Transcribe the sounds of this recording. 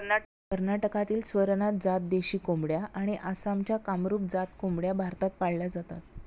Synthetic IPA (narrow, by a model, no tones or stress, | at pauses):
na | kəɾnaʈəkat̪iːlsʋəɾnat̪̚d͡zat̪̚d̪eɕiːkombɽjaʔaɽ̃iʔasamt͡ɕjakamɾuːp̚d͡zat̪kombɽjabʱaɾt̪at̪̚paɽljad͡zat̪a̰t̪̚